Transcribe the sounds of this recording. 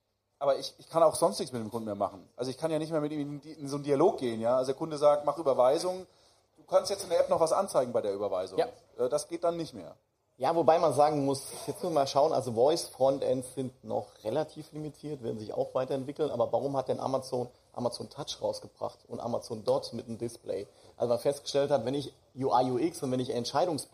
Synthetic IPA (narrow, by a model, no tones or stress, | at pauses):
ʔʔaːbɐɪçɪçkʰanaʊxz̥ɔnstnɪçt͡ssmɪtdeːmkʰʊndn̩meːɐma̰χn̩ʔalzoɪçkʰanjaːnɪçtmeːɐmɪtiːmɪɪnzoːndialoːk̚ɡ̥eːənjaːʔalzodeɐkʰʊndəzaːk̚tmaχʔyːbɐvaɪzʊŋ | d̥uːkʰanstjɛt͡sɪndeɐʔɛpnɔχv̥asʔa̰nt͡saɪɡŋ̩baɪdeɐyːbɐvaɪzʊja | ʔɛːdasɡ̥eːt̚d̥anːɪçtmḛːɐ | jaːvobaɪmanzaːɡŋ̩mʊsjɛt͡smʊsmaːlʃaʊənʔa̰lzovɔʏsfʁ̥ɔntʔɛ̰ntsz̥ɪntnɔ̰χʁelatʰiːflimitʰiːɐtv̥ɪːɐdn̩zɪça̰ʊxv̥aɪtɐɛntv̥ɪkl̩nʔa̰ːbɐvaʁʊmhat̚d̥ɛnʔa̰mat͡soːn | ʔa̰mat͡soːntʰat͡ʃʁaʊsɡ̥əbʁa̰χtʊntʔa̰mat͡soːndɔɐtmɪtəmdɪsplɛ̰ɪ | ʔalzomanfɛstɡ̥ə̥ʃtɛlthatvɛnɪç | juʔaɪjuʔɪksʊntvɛnɪçɛntʃaɪɾʊŋs